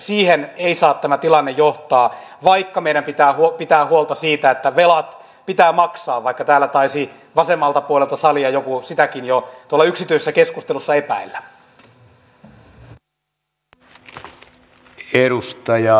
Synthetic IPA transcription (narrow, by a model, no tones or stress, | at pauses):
siːheneisɑːt̪tæmæt̪ilɑnːejjoht̪ɑː | ʋɑikːɑmeiɾæmpit̪æːhupit̪æːhuolt̪ɑsiːt̪æet̪ːæʋelɑt̪ | pit̪æːmɑksɑːʋʋɑikːɑt̪æːlːæt̪ɑisi | ʋɑsemːɑlt̪ɑpuolelt̪ɑsɑliɑjokusit̪ækinjot̪uolːɑyksit̪yisesːækeskust̪elusːɑepæ̰ilːæ | eɾust̪ɑjɑ